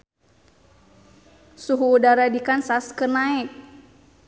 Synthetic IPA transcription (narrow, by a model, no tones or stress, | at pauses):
suɦuːdaɾadikansaskənaɛk̚